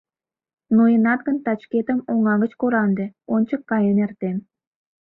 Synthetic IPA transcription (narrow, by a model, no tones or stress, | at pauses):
nojənɑt̪ɡə̆nt̪ɑt͡ɕket̪əmoŋɑɣə̆t͡ɕkoɾɑnd̪ĕont͡ɕəkːɑjənert̪em